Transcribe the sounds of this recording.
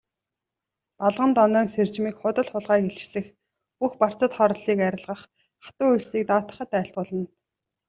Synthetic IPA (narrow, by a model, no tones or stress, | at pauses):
paɮʁə̆nt̪ɔnœːŋsert͡ɕmiːkχʊt̪ə̆ɮχʊɮʁaːkeɬt͡ɕɮɘ̆x | puxpar̥t͡sə̆t̪χɔɾɞ̆ɮiːkæɾʲɪ̆ɮʁə̆χ | χḁt̪ʊːujɮsiːk̚t̪aːt̪ə̥̆χə̆t̪æːɬt̪̚ʁʊːɮə̆n